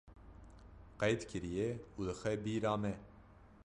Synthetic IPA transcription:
qɛjd̪kʰɨɾijɛud̪əxɛbiːɾɑːmɛ

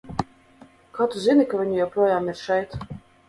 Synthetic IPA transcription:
kaːt̪uzinikavʲiɲujɛwpɾuɔjaːmiɾʃɛjt̪

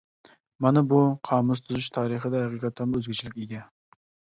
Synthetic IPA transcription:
mɑnɪbuqʰɑːmʊst̪ʰuzɨʃt̪ʰɑːɾəχəd̪ɛɦæqiqʰɑt̪ʰːɑmʊøzɡʲɪt͡ʃʰilɪkʲeɡʲɛ

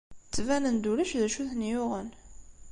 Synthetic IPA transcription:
t͡sːvænənd̪uɾæʃðæʃuθnjʊʁən

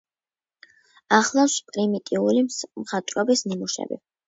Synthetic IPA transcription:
aχlˠaspʼɾimit̪ʼiulimχat̪ʼɾɔbisnimuʃɛ̰bḭ

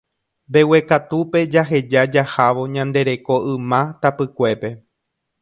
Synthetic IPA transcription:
be̞we̞kat̪upe̞d͡ʒaɦe̞d͡ʒad͡ʒahaʋo̞ɲãnd̪e̞ɾe̞ko̞ʔɨ̃mãt̪apɨkʷe̞pe̞

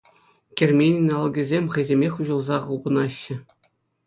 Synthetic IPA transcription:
kʲerʲmʲenʲinʲɑlˠɡʲɘ̆zʲemʲχɤ̆jzʲemʲexʲuʑɤ̆lˠzɑʁulˠbɤ̆nɑɕːɘ̆

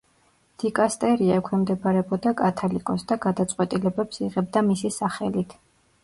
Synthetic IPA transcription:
d̪̥ikʼast̪ʼɛɾiaɛkʰwɛmd̪ɛbaɾɛbɔd̪akʼat̪ʰalikʼɔsd̪aɡad̪at̪sʼqʼwɛt̪ʼilɛbɛpsiʁɛb̚d̪amisisaχɛlit̪ʰ

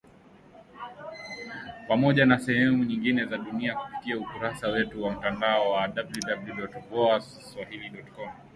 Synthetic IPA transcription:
pamɔʄanasɛhɛmuɲiŋɡinɛzaɗuniaku̥fi̥kiaukuɾasawɛtuwam̩tandaɔwaɗabljuɗabluɗɔtvɔas | swahiliɗɔtkɔm

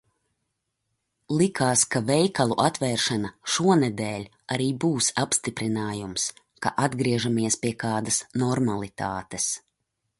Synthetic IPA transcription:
lˠikaːskavɛjkalˠuʔat̪vɛːɾʃanaʃuɔnɛd̪ɛːlʲ | aɾiːbuːsapst̪ipɾinaːjums | kaʔad̪ɡɾiɛʒamiɛspiɛkaːd̪ɐsnɔɾmalˠit̪a̰ːt̪es

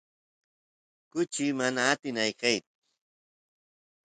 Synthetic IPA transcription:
kʊt͡ʃɪmanaːt̪ɪnajkajt͡sʊ̥

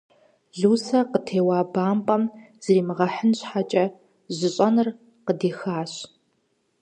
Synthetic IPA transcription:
ɮuːsɐqətʰeːwaːbaːmpʼɐm | z̥riːmɨʁɐħənɕħat͡ʃʼɐ | ʑɪɕʼɐnɨr | qədeːxaːɕ

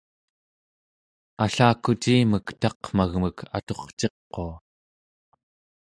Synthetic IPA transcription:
aɬaːkut͡ʃiːməkt̪ɑqm̥aɣməkʰa̰t̪o̞χt͡ʃe̞qːo̞a

